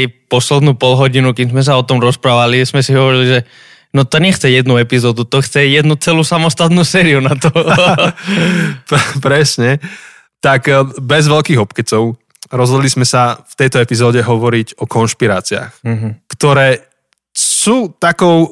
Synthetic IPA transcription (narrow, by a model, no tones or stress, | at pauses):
pɔslɛd̪nuːpɔlɦɔɟinukimzmɛs̬aɔt̪ɔmɾɔspɾaːʋalizmɛsiɦɔʋɔɾiliʒɛ | nɔt̪ɔɲɛxt͡sɛjɛd̪nuɛpizɔːd̪ut̪ɔxt͡sɛjɛd̪nut͡sɛluːsamɔst̪at̪nuːsɛːɾiunat̪ɔ | ppɾɛsɲɛ | t̪akbɛzʋɛlkiːɣɔpkɛt͡sɔʊ | ɾɔzɦɔd̪lizmɛsaft̪ɛjt̪ɔɛpizɔːɟɛɦɔʋɔɾiɟɔkɔnʃpiɾaːt͡sia̰ːx̩ɦ̩kt̪ɔɾɛː | suːt̪akɔʊ